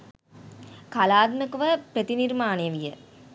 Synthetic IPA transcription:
kalaːd̪mɐkuʋɐpɾət̪iniɾmaːneʋijə̰

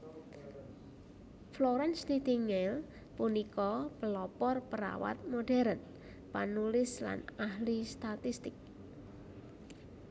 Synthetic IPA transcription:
floɾɛnst̪id̪iŋɛl | punikɔpəlɔpɔrpəɾa̰wa̰t̪̚moɖ̥ɛ̤ɾən | pa̰nulɪsla̰nahlist̪at̪ist̪ɪk̚

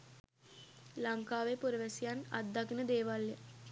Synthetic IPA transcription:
laŋkaːʋepuɾəʋæsijana̰d̪ːakinəd̪eːʋaljə

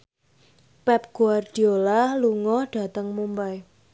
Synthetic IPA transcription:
pɛp̚ɡ̥uard̥i̤olahluŋɔɖ̥a̤t̪əŋmumbaj

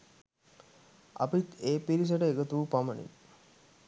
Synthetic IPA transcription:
a̰pit̪eːpiɾis̬əʈəeɡət̪uʋupamənḭ

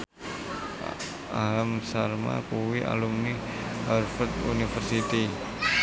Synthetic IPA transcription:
alamsarma̰kuwiʔa̰lumniharfət̪̚unifərsit̪i

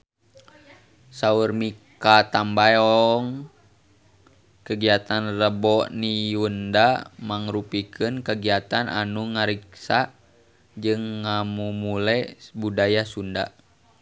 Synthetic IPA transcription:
saurmikat̪ambajɔŋ | kəɡiat̪anrəbɔʔnijundamaŋɾupikʰɨnkəɡiat̪anʔa̰nuŋaɾiksa | d͡ʒɨŋːamumulɛbudajasunda̰

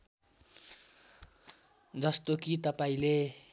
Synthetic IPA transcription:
d͡zʌst̪okit̪ʌpaĩle

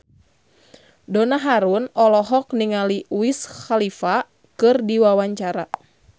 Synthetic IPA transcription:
donaɦaɾunɔlɔɦɔkniŋaliwisxalifa | kɨrdiwawaɲt͡ʃaɾa

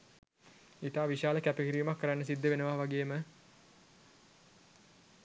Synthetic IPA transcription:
it̪aːʋiʃaːləkæpikiɾiːmakːəɾanːəs̬id̪ːəʋenəʋaʋaɡeːmə

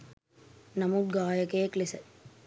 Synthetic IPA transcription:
nɐmud̪̚ɡaːjɐkeːklisɐ

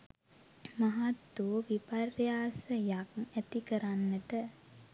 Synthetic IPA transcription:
maɦat̪ːuʋiparjaːsəjakæt̪ikəɾanːəʈə

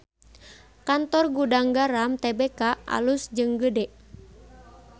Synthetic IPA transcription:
kant̪ɔrɡudaŋɡaɾamt̪ɛbekaʔa̰lusd͡ʒɨŋɡədɛʔ

